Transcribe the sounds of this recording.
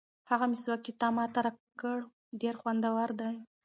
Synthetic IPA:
haɣamɪswakit̪ɑmɑt̪aɾakəɽ | ɖeɾxwand̪awaɾd̪aj

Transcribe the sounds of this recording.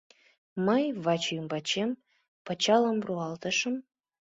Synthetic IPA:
məjβɑt͡ɕjymbɑt͡ɕem | pɤ̆t͡ɕɑləmruɑlt̪ə̆ʃə̆m

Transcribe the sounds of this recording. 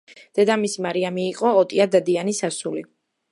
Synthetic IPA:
d̪̥ɛd̪amisimaɾiamiːqʼɔːt̪ʼiad̪ad̪ianisasuli

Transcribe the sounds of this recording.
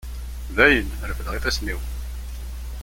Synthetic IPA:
ðæjən | ɾəfəðʁiθæsniw

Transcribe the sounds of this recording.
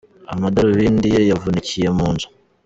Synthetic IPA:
a̰madaɾiβiːndijojavunicije̞muːnzu̥

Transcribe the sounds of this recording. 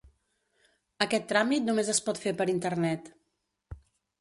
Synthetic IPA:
əkɛt̪ːɾamit̪numezəspɔt̪fepəɾint̪ərnɛt̪

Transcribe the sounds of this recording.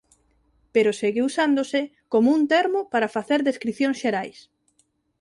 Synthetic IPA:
peɾoseɣeusand̪osɪ | komount̪eɾmopaɾɐfaθeɾðeskɾiθjõŋsʃeɾajs

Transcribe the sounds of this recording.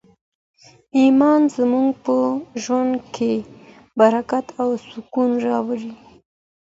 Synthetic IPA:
imɑnzmuŋɡpəʒwand̪kʰe | baɾakat̪ʰawsʊkunɾɑwaɾi

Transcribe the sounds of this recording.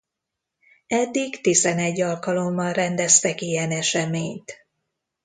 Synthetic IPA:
ɛd̪ːiɡt̪izɛnɛɟːɒlkɒlo̞mːɒnrɛnd̪ɛst̪ɛkijɛnɛʃɛmeːɲt̪

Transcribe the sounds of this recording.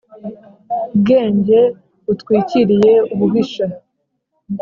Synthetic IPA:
ub̚ɡe̞ːɲɟe̞ | utkwiːciɾije̞uβuɡiʃa

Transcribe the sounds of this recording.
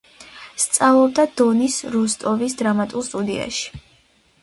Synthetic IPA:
st̪sʼavlˠɔb̚d̪ad̪̥ɔnisɾust̪ʼɔvisd̪ɾamat̪ʼulˠst̪ʼud̪ia̰ʃi̥

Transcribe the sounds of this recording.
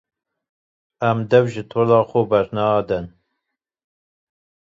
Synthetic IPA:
æmd̪ɛvʒɪt̪ʰoːlɑːxobɛɾnɑːd̪ɛn

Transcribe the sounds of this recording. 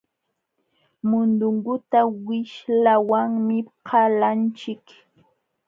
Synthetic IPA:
mʊnd̪ʊŋɡʊt̪awɪʃlawaŋmɪqʰɑlant͡ʃɪk

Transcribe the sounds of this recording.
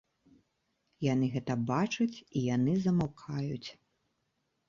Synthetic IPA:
janɨɣɛt̪ɐbat͡ʂut͡sʲijanɨzɐmawkʰajut͡sʲ

